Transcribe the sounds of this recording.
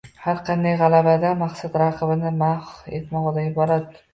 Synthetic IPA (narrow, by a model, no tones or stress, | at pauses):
haɾqʰɑnd̪ajʁɑlabad̪amaqsad̪ɾɑqʰɨbɪnɪmaχe̞̰t̪mɒʁɨd̪aɪbɒɾat̪